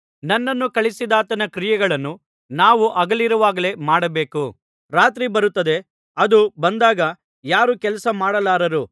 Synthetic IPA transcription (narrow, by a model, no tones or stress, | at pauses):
nɐnːɐnːukɐɭisid̪aːt̪ɐnɐkɾijɛɡɐɭɐnːu | naːʋuʔɐɡɐliɾɐʋaːɡɐle̞maːɽɐbe̞ːku | ɾaːt̪ɾibɐɾut̪ːɐd̪e̞ | ɐd̪ubɐnd̪aːɡɐ | jaːɾukɛlɐsɐmaːɽɐlaːɾɐɾu